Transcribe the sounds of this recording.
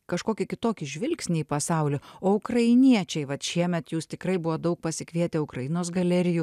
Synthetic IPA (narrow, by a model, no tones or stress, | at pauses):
kɐʃkoːkʲɪkʲɪt̪oːkʲɪʒʲʋʲɪlʲksʲnʲɪipɐsɑˑʊlʲʊoːʊkɾɐɪnʲiɛt͡ʃʲɛɪʋɐt̪ʃʲiɛmʲɛt̪juːst̪ʲɪkɾɐɪbʊʋoːd̪ɐʊk̚pɐsʲɪkʋʲiɛt̪ʲɛʊkɾɐjɪnoːsɡɐlʲɛɾʲɪju